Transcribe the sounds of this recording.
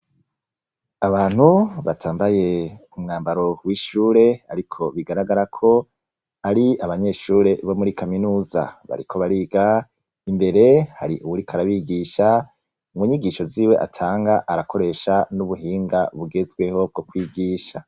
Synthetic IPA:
aβaːn̥huβatʰaːmbaje̞umŋaːmbaɾo̞wiːʃuːɾe̞aɾikʰo̞βiɡaɾaɡaɾakʰo̞ | aɾiaβaɲe̞ʃuːɾe̞βo̞muɾikaminuːza̰βa̰ɾikʰo̞βaɾiːɡa | imbe̞ɾe̞ha̰ɾiʔuwuɾikʰaɾaβiɡiʃa | ŋɡuɲiɡiʃo̞ziːwe̞ʔa̰tʰaːŋɡaʔaɾakʰo̞ɾe̞ʃanuβuɦiːŋɡaβuɡe̞zɡwe̞ho̞b̚ɡo̞kwiːɡiːʃa

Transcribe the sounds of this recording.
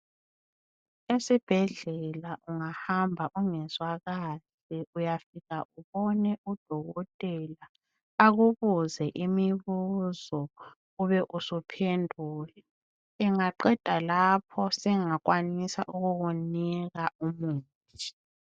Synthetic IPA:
esib̥ʱɛɮɛlaʔuŋahambʱaʔuŋɛzwaɣaːz̥ | iujafiɣaʔuβɔnɛʔud̥ʱɔɣɔtʼɛla | aɣuβuzɛʔimiβuzɔ | ɣuβɛʔusupʰendʱuːlɛ | ɛŋaǃɛd̥ʱalapʰɔsɛŋak̬wanisa̰ʔuɣuɣuniɣaumuːntʰi̥

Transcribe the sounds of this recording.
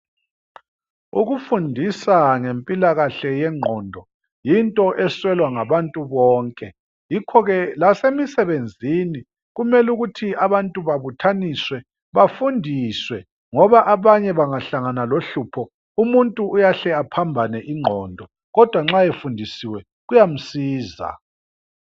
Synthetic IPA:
ṵɣufundʱisaŋempʼilaɣaɬɛjɛŋ͡ǃʱɔːndʱɔ | jintʼɔʔɛswɛlwaŋaβantʼuβɔːŋkʼɛ | jikʰɔɣɛlasemisɛβend͡zʱini | ɣumɛluɣutʰiaβantʼuβaβutʰaniswɛ | βafundʱiswɛ | ŋɔβaʔaβaɲɛβaŋaɬaŋanaloɬupʰɔ | umuntʼuːjaɬɛapʰambʱanɛʔiŋ͡ǃʱɔːndʱɔ | ɣɔd̥ʱwaŋ͡ǁajefundʱisiwɛ | ɣujam̩siːza̰

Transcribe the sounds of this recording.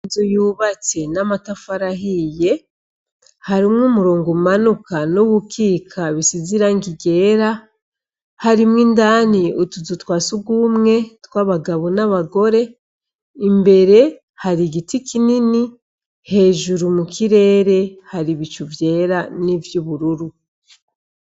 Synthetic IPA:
zojuːβat͡se̞namatafaɾaɦije̞ | haɾimŋumuɾoːŋɡomanukanoβukiːkʰaβisiziɾaŋɡiɡe̞ːɾa | haɾimŋindaːniutuzutwaːsuɡumŋe̞twaβaɡaβonaβaɡo̞ɾe̞ | imbe̞ɾe̞ | haɾiɡitikinini | he̞ːʒuɾumukiɾe̞ːɾe̞haɾiβit͡ʃuvje̞ːɾanivjuβuɾuɾu

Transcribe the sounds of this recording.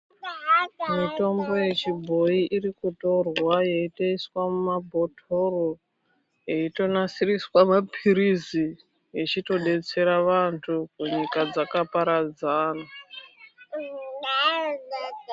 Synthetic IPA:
mito̞mbo̞je̞t͡ʃibʱo̞iʔirikuto̞rwaje̞iteiswamumabʱo̞tʰo̞ro | jeito̞nasiriswamapʰiɾizi | jet͡ʃito̞ɗe̞t͡se̞ɾaʋantʰukuɲikad͡zakapaɾad͡zaːna

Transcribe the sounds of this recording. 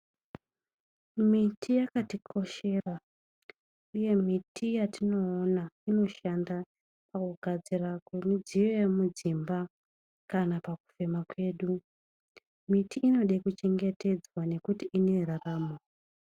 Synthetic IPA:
mitʰijakatikʰo̞ʃe̞ra | uje̞mitʰijatino̞ːnaino̞ʃanda | pakuɡʱad͡zirakemud͡ziʋe̞mud͡zimba | kanapaku̥fe̞makwe̞ːɗu | mitʰiʔːno̞ɗekut͡ʃe̞ŋɡe̞te̞d͡zwane̞kutiʔine̞ɾaraːmo

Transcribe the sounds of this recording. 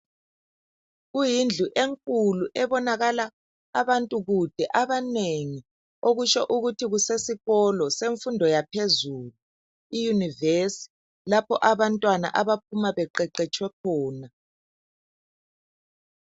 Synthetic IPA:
ɣujind͡ɮʱuʔeŋkʼuluʔɛβɔnaɣalaː | βantʼuɣud̥ʱɛʔaβaneŋi | oɣut͡ʃɔʔuɣutʰiɣusesiɣɔlɔseɱfundʱɔjapʰezuːlu | ijunivesi̥ | lapʰɔʔaβantʼwana̰ʔaβap̚ʰumaβɛǃɛǃɛt͡ʃʼwɛkʰɔːna

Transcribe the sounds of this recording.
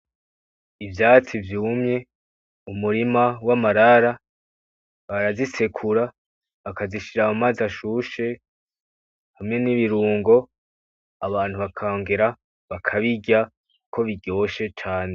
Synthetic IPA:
ivjaːt͡sivjuːmɲe̞ | umuɾimawamaɾaɾa | βaɾazise̞kʰuɾa | βakaziʃiɾamumazaʃuʃe̞ | hamŋe̞niβiɾuːŋɡo̞ | aβaːn̥uβakʰaoŋɡeɾa | βakʰaβiɟa | kukʰo̞βiɡɟo̞ʃe̞t͡ʃaːne

